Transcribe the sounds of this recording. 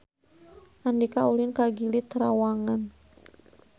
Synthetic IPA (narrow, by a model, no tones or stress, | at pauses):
ʔandikaulinkaɡilit̪əɾawaŋan